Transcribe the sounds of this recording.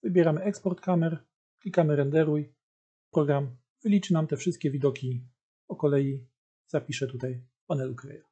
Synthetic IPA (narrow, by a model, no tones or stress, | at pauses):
vɘbʲjɛɾamɘɛkspɔɾt̪kamɛɾ | klʲikamɘɾɛnd̪ɛɾuj | pɾɔɡɾam | vɘlʲit͡ʂɘnamt̪ɛfʂɘst̪̚kʲɛvʲid̪ɔkʲi | ɔkɔlɛji | z̥apʲiʂɛt̪ut̪aj | panɛlukɾɛ̰ja